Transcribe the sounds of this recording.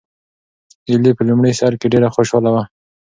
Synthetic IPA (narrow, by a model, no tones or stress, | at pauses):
ɪlipəlumɽəjsaɾkeɖeɾaxoʃɑlawa